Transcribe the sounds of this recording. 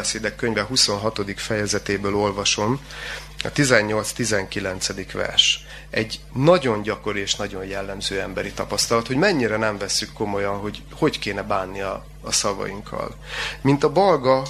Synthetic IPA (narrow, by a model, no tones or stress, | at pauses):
ɛseːd̪ɛkːø̞ɲvɛɦuso̞nɦɒt̪o̞d̪ikfɛjɛzɛt̪eːbøːlo̞lvɒʃo̞m | ɒ̰t̪izɛɲːo̞lt̪st̪izɛŋkilɛnt̪sɛd̪ikʋɛ̰rʃ | ɛɟ | nɒɟo̞nɟɒko̞ɾieːʃnɒɟo̞ɲjɛlːɛmzøːɛmbɛɾit̪ɒpɒst̪ɒlɒt̪ho̞ɟmɛɲːiɾɛnɛɱvɛsːykːo̞mo̞jɒnɦo̞ɟ | ho̞ɟkeːnɛbaːnːiɒː | sɒvɒ̰jiŋkʰːɒ̰l | mint̪ɒbɒlɡɒ